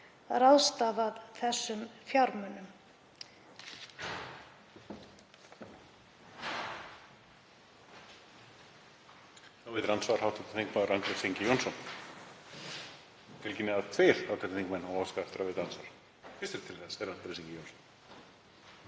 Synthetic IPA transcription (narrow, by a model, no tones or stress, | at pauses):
raðst̪aːðaðθɛsːʏmfjawɾmœnʏm | awvɪðɾansvaɾ̥hawht̪at̪θiŋk̚maðʏɾant̪ɾesiɲcɪjownsɔn | fɪlcɪnɪaðt̪ʰvɪɾ̥awt̪ʰɛnθʰĩŋkmɛnhawɔskaft̪ɾavɪt̪ɾansvaɾ̥ | fɪst̪ɪɾ̥t̪ʰɪlθɛsɛɾːant̪ɾesĩɲcɪjownsɔn